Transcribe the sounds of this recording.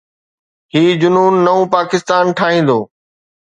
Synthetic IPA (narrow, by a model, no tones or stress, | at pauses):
hiːd͡ʑʊnuːnːɐũpaːkɪst̪aːnʈʰaːɦĩːn̆d̪oː